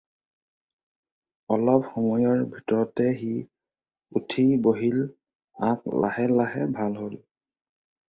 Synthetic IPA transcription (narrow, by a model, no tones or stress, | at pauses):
ɔlɔp̚xɔmɔjɔɹbʱitɔɹɔtɛxi | utʰiboɦil | akla̰hɛlaɦɛbʱalɦol